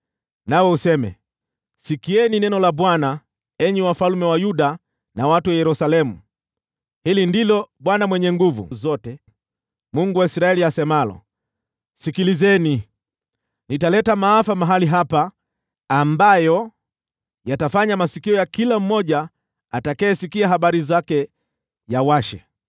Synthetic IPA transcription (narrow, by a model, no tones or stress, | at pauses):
nawɛusɛmɛ̰ | sikiɛninɛnɔlaɓwana | ɛɲiwafalmɛwajuɗa | nawatuwajɛɾusalɛmu | hilindilɔɓwanamwɛɲɛŋɡuvṵzɔtɛ | muŋɡuwaisɾaɛliasɛmalɔ̰ | sikilizɛni | nitalɛtamaːfamaɦaliɦapaː | mbajɔ | jatafaɲamasikiɔjakilam̩ːɔʄaː | takaɛsikiaɦaɓaɾizakɛ | jawaʃɛ̰